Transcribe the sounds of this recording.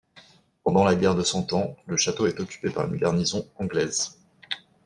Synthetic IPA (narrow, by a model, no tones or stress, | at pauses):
pɑ̃d̪ɑ̃laɡʲɛʁd̪əsɑ̃t̪ɑ̃ləʃat̪oɛt̪ɔkʲy̥pepaʁy̰nɡaʁnizɔ̃ɑ̃ɡlɛz